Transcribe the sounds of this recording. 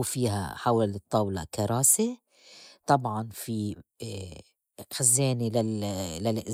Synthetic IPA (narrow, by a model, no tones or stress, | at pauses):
fiːɦa̰ħawalɨt̪ˤːɑːwlɑ̰kɑɾˤɑːse | t̪ˤɑbʕɑnfi | xazːeːnilalalʔɪ